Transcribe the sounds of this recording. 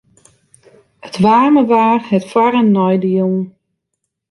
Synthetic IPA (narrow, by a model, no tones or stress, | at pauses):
ətʋaːrməʋaːrhɛtfwaɾənːɔjdəjuːn